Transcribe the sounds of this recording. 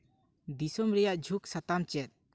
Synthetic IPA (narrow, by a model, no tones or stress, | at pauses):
d̪isɔmɾɛjaʔd͡ʒʱuksat̪amt͡ʃɛt̪̚